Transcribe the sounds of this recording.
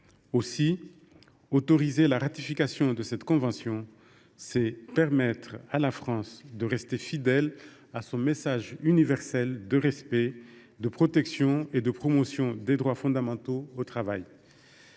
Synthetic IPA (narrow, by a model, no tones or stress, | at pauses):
osi | ot̪ɔʁizelaʁat̪ifikasjɔ̃d̪əsɛt̪kɔ̃vɑ̃sjɔ̃ | sɛpɛʁmɛt̪χalafχɑ̃sd̪əʁɛst̪efid̪ɛl | asɔ̃mesaʒynivɛʁsɛld̪əʁɛspɛ | d̪əpχɔt̪ɛksjɔ̃ed̪əpχɔmosjɔ̃d̪ed̪ʁwafɔ̃d̪amɑ̃t̪oːt̪χavaj